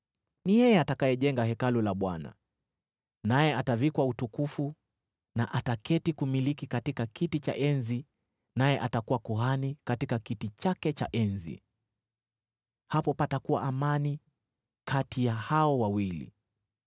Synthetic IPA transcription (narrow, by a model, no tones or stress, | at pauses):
nijɛjɛatakajɛʄɛŋɡahɛkalulaɓwana̰ | najɛatavikwautukufu | naʔatakɛtikumilikikatikakitit͡ʃa̰ʔɛnzi | najɛʔatakuwakuɦanikatikakitit͡ʃakɛt͡ʃa̰ʔɛnzḭ | hapɔpatakuwa̰ʔamani | kʰatijahaɔwawilḭ